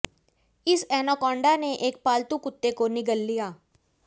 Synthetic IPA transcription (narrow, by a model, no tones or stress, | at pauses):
ɪsɛːnakɔ̃ːɳɖaneʔeːk̚paːlt̪ukʊt̪ːekonɪɡəlːijaː